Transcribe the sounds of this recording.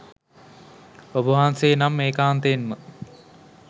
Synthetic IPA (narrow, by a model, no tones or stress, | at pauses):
obuʋaːnseːnamːeːkaːnt̪enmə